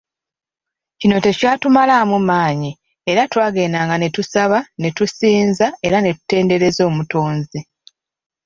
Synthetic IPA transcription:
cino̞te̞caːtumalamumaːɲi | eɾatwaːɡe̞ːnaːŋɡane̞tusaβane̞tusiːnzae̞ɾane̞tu̥te̞ːnde̞ɾe̞zo̞ːmuto̞ːnzi

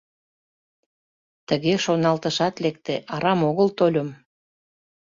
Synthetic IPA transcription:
t̪əɣeʃonɑlt̪əʃɑt̪lek̚t̪eʔɑɾɑmoɣəlt̪olʲəm

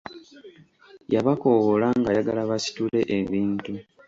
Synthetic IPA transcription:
jaβako̞ɣolaŋɡajaɡalaβasi̥tule̞ʔeβiːntu

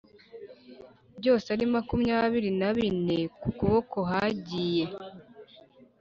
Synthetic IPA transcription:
bɟo̞ːseaɾimakumɲaβiɾinaβine̞kukuβo̞ko̞ɦaɟiːje̞

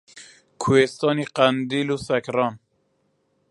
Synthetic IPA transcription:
kʰuest̪ɑːniqænd̪iːlusækɾɑːn

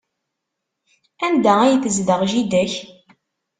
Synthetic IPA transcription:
ænd̪ææjəθəzðəʁʒid̪æç

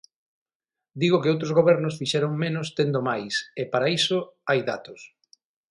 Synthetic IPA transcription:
d̪iɣʊkɪowt̪̬ɾozɣoβɛɾnʊsfiʃɛɾoŋmenʊst̪end̪ʊmajsɪpaɾaisʊajða̰t̪ʊs

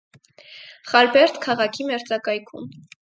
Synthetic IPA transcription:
χɑlbɛɾt̪kʰɑʁɑkʰimɛɾt͡sɑkɑjkʰum

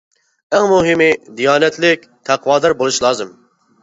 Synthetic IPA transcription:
ɛŋmuɦɪmɪd̪ijɑːnɛt̪lɪk̚ʲt̪ʰæqʰwɑːd̪ɑɾbolˠuʃlˠɑːzɨm

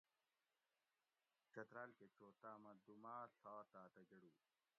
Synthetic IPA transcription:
t͡ɕɐt̪ɾaːlket͡ɕoːt̪aːmɐd̪umaːɬaːt̪aːt̪ɐd͡ʑɐɽu

